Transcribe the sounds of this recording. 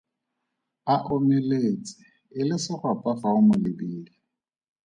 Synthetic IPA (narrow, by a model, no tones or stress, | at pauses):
aʔomɛlet͡sʼɪ̥ | ɪlɪsɪχʊapʼafaʊmʊlɪbiːlɪ